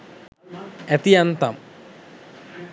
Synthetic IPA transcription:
et̪ijɐnt̪ɐm

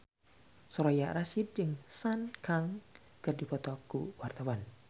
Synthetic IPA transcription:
sɔɾojaʔɾaʃid̪̚d͡ʒɨŋsankaŋ | kɨrdipɔt̪ɔkṵwart̪awan

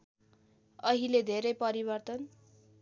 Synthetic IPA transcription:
ʌɦiled̪ʱeɾʌjpʌɾibʌrt̪ʌn

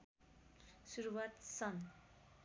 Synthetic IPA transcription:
suɾuwat̪sʌn

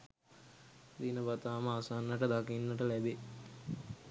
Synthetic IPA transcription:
d̪inəbat̪aːməasanːəʈəd̪akinːəʈəlæbe

